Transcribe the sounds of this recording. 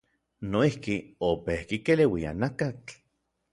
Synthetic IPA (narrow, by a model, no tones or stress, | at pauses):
noihkiopehkikelewia̰nakat͡ɬ